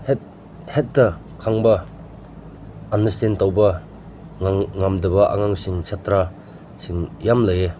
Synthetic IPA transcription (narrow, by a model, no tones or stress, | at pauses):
het̚ | het̚dɐ | kʰaŋbɐ | anɐstentawbɐ | ŋŋamdɐbɐʔa̰ŋaŋsiŋsatɾa | siŋjamlaje